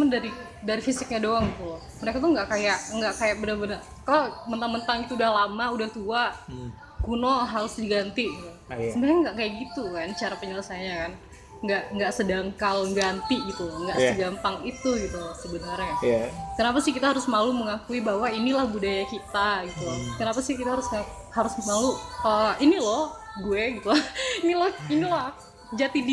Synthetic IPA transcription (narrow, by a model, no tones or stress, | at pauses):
mandaɾi | daɾifisɪk̚ɲadoaŋit̪ul | məɾekat̪uŋɡaʔkajaʔŋɡaʔkajak̚bənərbənər | kalomənt̪aŋmənt̪aŋɡit̪uudahlamaudaht̪ua | kunoɦaɾʊsdiɡant̪iɡt̪u | sənaɲaŋɡaʔkajaʔɡit̪ukant͡ʃaɾapəɲələsaɲakan | ŋɡaʔŋɡaʔsədaŋkalɡant̪iɡit̪uŋɡaʔsəɡampaŋit̪uɡit̪usəbənarɲakənapasɪhkit̪aɦaɾʊsmaluməŋakuibaɦwainilahbudajakit̪aɡit̪ukənapasɪkit̪aɦaɾʊsa | haɾʊsmaluəinilɔh | ɡueɡit̪uinilɔhinila | d͡ʒat̪id